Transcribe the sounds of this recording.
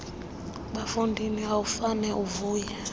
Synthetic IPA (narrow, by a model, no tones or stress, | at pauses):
ɓafundʱiniaufanɛʔuvuːja